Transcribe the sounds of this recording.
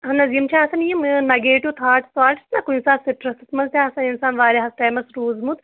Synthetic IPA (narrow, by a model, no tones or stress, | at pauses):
ɦɐnɐzimt͡ʃʰaːɐsɐnijimnɐɡeːʈjoːt̪ʰaːʈsʋaːʈi̥snɐkuinsaːnsiʈɾɐsit̪mɐzt̪ʰaːɐsɐninsaːnʋaːɾʲeɦɐsʈaːmɐsɾuːzmut̪